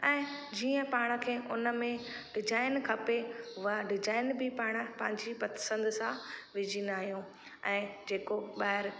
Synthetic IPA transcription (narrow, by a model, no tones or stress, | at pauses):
ɛ̃ːd͡ʑiːə̃paːɽ̃ə̆kʰeːʊnəmẽɖɪd͡ʑaːɪnkʰɐpeʊəɖɪd͡ʑaːɪnbɪpaːɽ̃əpɐ̃ɦɪɲd͡ʑipɐt̪sə̃nd̪sãʋɪd͡ʑiːnd̪aːɦijũ | ɛ̃ːd͡ʑeːkoɓaːɦɪɾ